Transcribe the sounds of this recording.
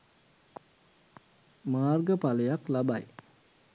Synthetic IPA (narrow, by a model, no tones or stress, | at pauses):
maːrɡəpaləjaklabaj